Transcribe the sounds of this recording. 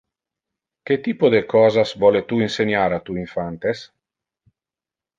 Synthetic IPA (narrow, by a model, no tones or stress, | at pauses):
ket̪iːpod̪ekɔːzasvɔlet̪uinseɲaːɾat̪uiɱfant̪es